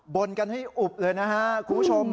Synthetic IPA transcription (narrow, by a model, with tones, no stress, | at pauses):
bo˧nka˧nha˥˩jʔu˨˩p̚lɤː˧jna˦˥kʰa˦˥kʰu˧˦pu˥t͡ɕʰo˧m